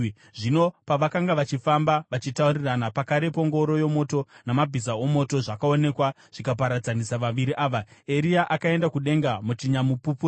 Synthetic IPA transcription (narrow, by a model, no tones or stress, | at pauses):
ʐino̞paʋakaŋɡaʋat͡ʃifambaʋat͡ʃitauriranapakaɾe̞po̞ŋɡo̞ɾo̞jo̞mo̞to̞namabʱizao̞mo̞to̞ʐakao̞ne̞kwa | ʐ̥ikap̬aɾad͡zanisaʋaʋiɾiʔaːʋae̞ɾiaʔakae̞ndakuɗe̞ŋɡamutiɲamupupu